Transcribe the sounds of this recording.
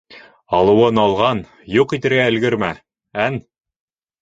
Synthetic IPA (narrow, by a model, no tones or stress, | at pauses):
ɑlˠɤ̆wɤnɑlˠʁɑn | juqit̪ɘ̆ɾɡæɘ̆lɡɘɾmæ | æn